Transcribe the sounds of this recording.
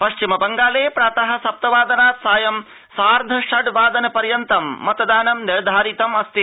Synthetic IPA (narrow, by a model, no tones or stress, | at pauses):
pɐʃt͡ʃimɐbɐŋɡaːleːpɾaːt̪ɐɦɐ̆sɐp̚t̪ɐʋaːd̪ɐnaːt̪saːjɐm | saːɾd̪ʱɐʃɐɖʋaːd̪ɐnɐpɐɾjɐnt̪ɐmːɐt̪ɐd̪aːnɐmniɾd̪ʱaːɾit̪ɐmɐst̪i